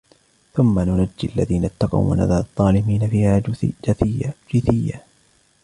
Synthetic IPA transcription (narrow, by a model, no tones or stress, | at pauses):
θʊmːanʊnad͡ʒːɪʔalːa̰ðiːnat̪ːɑqɑ̰wwa̰na̰ðaːðˤːɑːlɪmiːnafiːhaːd͡ʒθd͡ʒɪθɪjːa